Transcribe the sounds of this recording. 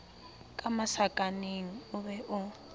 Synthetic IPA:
kʼamasakʼaneŋ̩uβɛʔʊ

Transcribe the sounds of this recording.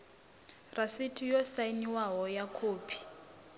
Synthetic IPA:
rʔasitʰijɔsainiwaɦɔjakʰoːpʰi̥

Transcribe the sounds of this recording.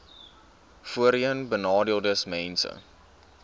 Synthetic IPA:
fuəɾiənbənɑːdiəlˠdəsmɛnsə̰

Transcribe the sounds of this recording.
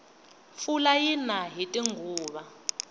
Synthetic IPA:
fulajinaɦitʼiŋɡʱuːɓa

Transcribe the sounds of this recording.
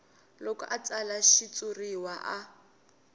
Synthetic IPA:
lɔkɔʔat͡salaʃit͡sʼuriwaʔa

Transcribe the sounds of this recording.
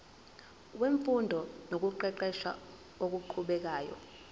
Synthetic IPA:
weɱfundʱɔnok̬uǃɛǃɛʃa̰ | ok̬uǃʰuɓɛk̬aːjɔ̰

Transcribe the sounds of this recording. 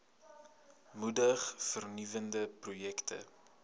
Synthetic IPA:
mudəχfərnivəndəprujɛktʰə̰

